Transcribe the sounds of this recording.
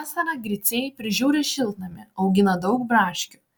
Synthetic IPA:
sʲɐɾɑɡɾʲɪt̪sʲeːjɪpʲɾʲɪʒʲuːɾʲeʃʲɪlˠt̪nɐmʲɪɒʊɡʲɪnɐd̪ɒʊkbɾɑːʃʲkʲʊ̥

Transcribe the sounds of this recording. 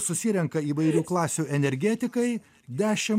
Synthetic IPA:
sʊsʲɪɾʲɛŋkɐiːʋɐɪɾʲuːklˠɑːsʲuːʔɛnʲɛɾʲɡʲɛt̪ʲɪkɐɪ | d̪ʲæːʃʲɪ

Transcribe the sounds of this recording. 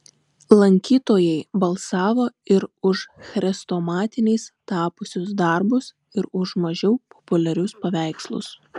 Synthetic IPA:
lˠɐŋʲkʲiːt̪oːjɛɪbɐlˠsɑːʋoːɪɾʊʃxɾʲɛst̪oːmɑːt̪ʲɪnʲɛɪst̪ɑːpʊsʲʊsd̪ɐɾbʊs | ɪɾʊʃmɐʒʲɛʊpʰɔ̥pʊlʲɛɾʲʊspɐʋʲæˑɪkslˠʊ̰s

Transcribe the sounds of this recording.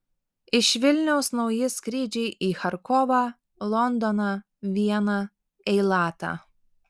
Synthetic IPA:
ɪʃʋʲɪlʲnʲɛʊsnɒʊjɪskɾʲiːd͡ʒʲɛɪʔiːxɐɾkɔʋɑː | lˠɔnd̪ɔnɑ | ʋʲiɛnɐ | ɛɪlˠɑːt̪ɑ̰ː

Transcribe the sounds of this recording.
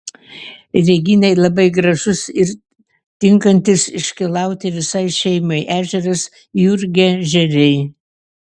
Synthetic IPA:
ɾʲɛɡʲɪnʲɛɪlˠɐbɐɪɡɾɐʒʊsɪɾ | t̪ʲɪŋkɐnʲt̪ʲɪsɪʃʲkʲɪlˠɐˑʊt̪ʲɪʋʲɪsɐɪʃʲɛɪmɐɪʔæːʒʲɛɾɐs | jʊɾʲɡʲɛʒʲɛɾʲɛɪ

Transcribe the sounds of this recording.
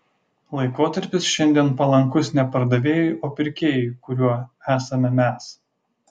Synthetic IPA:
lˠɐɪkoːt̪ɐɾʲpʲɪsʃʲɛnʲd̪ʲiɛnpɐlˠɐŋˑkʊsnʲɛpɐɾd̪ɐʋʲeːjʊʔoːpʲɪɾʲkʲeːjʊkʊɾʲuɔæːsɐmʲɛmʲɛs

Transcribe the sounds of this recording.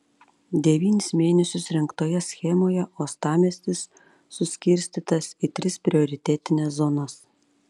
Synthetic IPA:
d̪ʲɛʋʲiːnʲɪsmʲeːnʲɛsʲʊsɾʲɪŋkt̪oːjɛsʲxʲɛmoːjɛoːst̪ɑːmʲɛsʲt̪ʲɪsː | ʊsʲkʲɪɾʲsʲt̪ʲiːt̪ɐsit̪ʲɾʲɪspʲɾʲɪoːɾʲɪt̪ʲɛt̪ʲɪnʲɛːszɔnɐs

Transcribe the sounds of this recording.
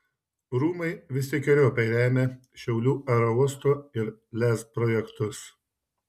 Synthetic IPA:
ɾuːmɐɪʋʲɪsʲɪkʲɛɾʲoːpʲɛɪɾʲæːmʲeʃʲɛʊlʲuːɛɾɔʊɔst̪oːɪɾlʲæːspɾɔjɛkt̪ʊs

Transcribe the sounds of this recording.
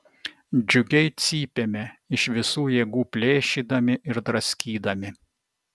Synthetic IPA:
d͡ʒʲʊɡʲɛɪt̪sʲiːpʲemʲeɪʃʋʲɪsuːjeːɡuːpʲlʲeːʃʲiːd̪ɐmʲɪʔɪɾd̪ɾɐsʲkʲiːd̪ɐmʲɪ

